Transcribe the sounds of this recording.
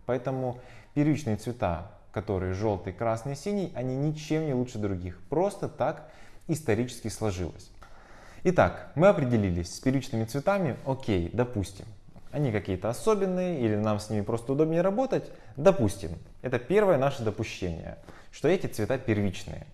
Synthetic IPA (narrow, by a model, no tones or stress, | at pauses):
pɐɛt̪əmʊpʲɪrvʲit͡ɕnɨjət̪svʲɪt̪a̰ | kɐt̪o̞ɾɨjəʐo̞lˠt̪ɨjkɾasnɨjəsʲinʲɪjɐnʲinʲɪt͡ɕemnʲɪlˠuʂɨd̪ɾʊɡʲixpɾo̞st̪ət̪ak | ɪst̪ɐɾʲit͡ɕɪ̥skʲɪslˠɐʐɨ̰lˠə̰sʲ | ɪt̪a̰kmɨɐpɾʲɪdʲɪlʲilʲɪsʲsʲpʲɪrʲvʲit͡ɕnɨmʲɪt̪svʲɪt̪amʲɪokʲejd̪ɐpusʲtʲɪ̰m | ɐnʲikɐkʲijət̪əɐso̞bʲɪnːɨjəilʲɪnamsʲnʲimʲɪpɾo̞st̪əʊd̪o̞bnʲɪjəɾɐbo̞t̪ətʲ | d̪ɐpusʲtʲɪ̰m | ɛt̪əpʲe̞rvəjənaʂəd̪əpʊɕːḛnʲɪ̰jə̰ | ʂt̪o̞ɛtʲɪt̪svʲɪt̪apʲɪrvʲit͡ɕnɨ̰jə̰